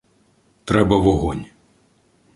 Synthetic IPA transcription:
t̪ɾɛbɐvɔɣɔnʲ

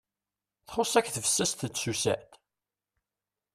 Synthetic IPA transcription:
θχʊsˤækθəfə̥sːæst̪əsusæ̰ʕt̪

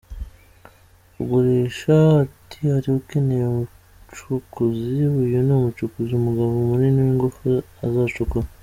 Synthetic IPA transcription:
uɡoɾeʃaːtʰihaɾiuke̞nejemu | t͡ʃukuziwujonomut͡ʃukuziumuɡaβumuniniwiŋɡofu | azat͡ʃukuɾa

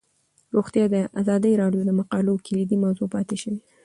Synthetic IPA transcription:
ɾoxt̪jɑd̪əʔazɑd̪əjɾɑɖjod̪əmaqɑlokʰɪlid̪imawzopɑt̪eʃəwi

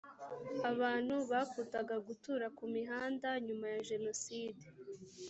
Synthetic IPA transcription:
aβaːn̥huβakuːtaɡaɡutuːɾakumiɦaːndaɲumajaʒe̞no̞siːde

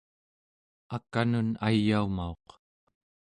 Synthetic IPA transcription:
akanunajːaumao̞q

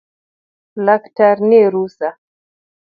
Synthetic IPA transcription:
laktaɾniɾusa

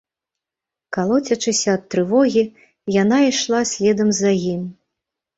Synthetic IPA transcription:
kalˠɔt͡sʲɐt͡ʂɨsʲɐːt̪ːɾɨvɔɣʲi | janaiʂlˠasʲlʲɛd̪ɐmzɐjimʲ

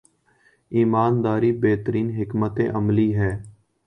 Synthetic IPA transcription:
iːmaːnd̪aːɾiːbeːt̪əɾiːnɦɪkmət̪ḛ̃ːʔəmliːɦɛː

